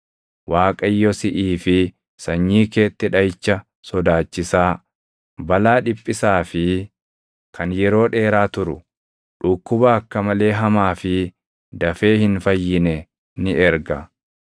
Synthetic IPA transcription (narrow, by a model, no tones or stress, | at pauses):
waːkʼɐjːɔsɪʔiːfɪ | sɐɲːiːke̞ːt̪ːɛᶑɐjt͡ʃːɐ | sɔd̪aːt͡ʃːɪsaː | bɐlaːᶑɪpʼːɪsaːfɪ | kʰɐnjɛɾo̞ːᶑe̞ːɾaːt̪ʊɾʊ | ᶑʊkːʊbɐːkːɐmɐle̞ːɦɐmaːfɪ | d̪ɐfe̞ːhɪnfɐjːɪnɛ | nɪʔɛɾɡɐ